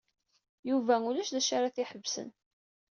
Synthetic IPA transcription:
juvæulæʃðæʃaɾaθɪħəbːsə̰n

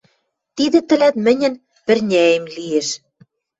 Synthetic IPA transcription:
t̪id̪ɘ̆t̪ɘ̆læt̪mɘ̆nʲɘ̆n | pɘ̆rnʲæjemlieʃ

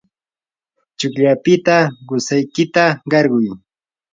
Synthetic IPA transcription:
t͡ʃʊkʎapɪt̪aɢʊsajkɪt̪aɢɑɾɢʊj

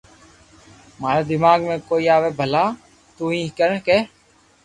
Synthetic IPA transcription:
maːɾeːd̪ɪmaːɡmẽːkoːiːaːʋeːbʱəlaː | t̪uːĩːkəɾkeː

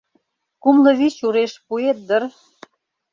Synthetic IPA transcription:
kumlɤ̆βit͡ɕuɾeʃpuet̪̚d̪ər

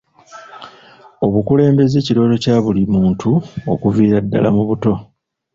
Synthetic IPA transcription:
o̞βukule̞ːmbe̞ze̞ːciɾo̞ːto̞caːβulimuːntʰuo̞̰kuviːɾadːa̰la̰muβuto̞

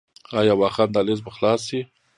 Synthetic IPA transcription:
ɑjɑwɑxɑnd̪ɑlezbəxlɑsi

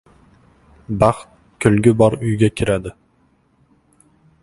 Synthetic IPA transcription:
baχt̪̚ | kʲʰɵlɡʲɪbɒɾʊjɡʲakʲʰɪɾad̪ɪ

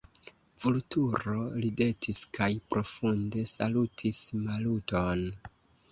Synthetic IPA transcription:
vultuɾo̞lide̞tʰiskʰajpɾʔo̞funde̞salutʰismaluto̞n

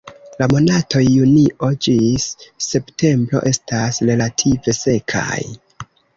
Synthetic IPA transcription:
lamo̞nato̞jːuniʔo̞d͡ʒisːe̞pte̞mbɾo̞̰ʔe̞stasɾe̞latʰive̞se̞kʰa̰j

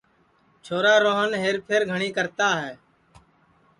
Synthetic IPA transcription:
t͡ʃʰoːɾaːɾoːɦənɦeːɾpʰɪɾɡʱəɳiːkəɾt̪aːɦɛː

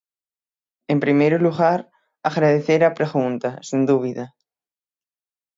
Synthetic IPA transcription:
empɾimejɾoluɣaɾ | aɣɾaðeθeɾapɾeɣũnt̪asĩnd̪uβ̞iða

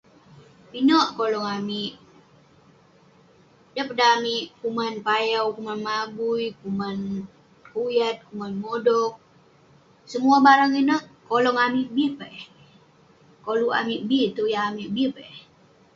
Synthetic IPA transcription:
inɔʔkolɔŋamiʔ | dəpədamiʔkumanpajawkumanmaɡuikuman | kujat̪̚kumanmodɔk̚ | səmuabaɾaŋinəʔkolɔŋamiʔbipaʔɛ | kolua̰miʔbit̪ujaamiʔbipaɛ

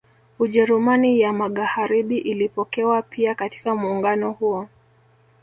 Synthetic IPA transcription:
uʄɛɾumanijamaɠahaɾiɓiʔilipɔkɛwapʰiakati̥kamuːŋɡanɔhuɔ

